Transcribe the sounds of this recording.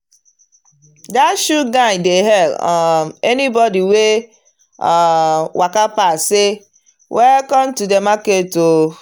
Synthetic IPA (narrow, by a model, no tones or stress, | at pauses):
daʃuɡaɪdeɦɛlɔenibɔdiwe | wʔakapase | wʔɛkɔm̩tudemaketo